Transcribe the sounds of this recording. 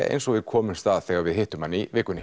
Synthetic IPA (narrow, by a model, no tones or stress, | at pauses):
ʔḛjnsɔɣvɪðkʰɔːmʏmst̪aːðθɛːɣaɾvɪðhɪht̪ʏmhanːivɪːkʏnɪ